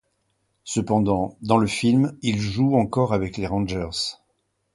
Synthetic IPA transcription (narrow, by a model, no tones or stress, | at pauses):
səpɑ̃d̪ɑ̃d̪ɑ̃ləfilmilʒuɑ̃kɔʁavɛkleʁɑ̃ʒɛʁz